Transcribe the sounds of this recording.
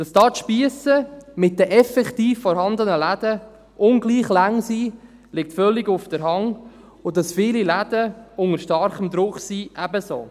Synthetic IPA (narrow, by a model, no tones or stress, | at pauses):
d̥ɑsd̥ɑːtʃpiəsəmɪt̚d̥əʔɛfɛktiːfːɔɾhɑnd̪ənəlæd̥ə | ʔʊnɡliːχlæŋsiː | lɪk̚tfœlːɪɡʊfd̥əɾɦɑŋ | ʊdɑsfɪːlilædəʊŋəɾʃtɑɾχəmd̪ɾʊχsiːʔæbəso̰ː